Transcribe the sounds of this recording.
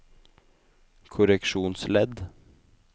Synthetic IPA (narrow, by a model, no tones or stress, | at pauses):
kʰʊɾɛkʂuːnslɛd̪